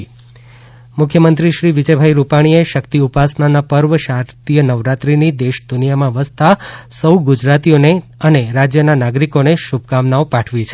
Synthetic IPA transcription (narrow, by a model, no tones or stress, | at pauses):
mʊkʰjəmənt̪ɾiʃɾiʋid͡ʒəbʱaiɾupaɽ̃ieʃəkt̪iupasnanapəɾʋəʃaɾt̪ijənəʋɾat̪ɾinid̪eʃd̪unijamãʋəst̪asəwɡud͡ʒɾat̪ijoneəneɾad͡ʒjənanaɡɾikoneʃub̚kamnaopaʈʰʋit͡ʃʰ